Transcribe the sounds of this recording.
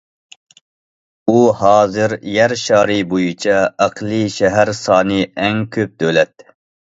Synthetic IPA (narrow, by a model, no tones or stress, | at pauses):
uhɑːzɨɾjæɾʃɑːɾɨbojut͡ʃʰɑɑqʰlˠiʃɛɦæɾsɑːnɨɛŋkʲʰøp̚d̪ølɛt̪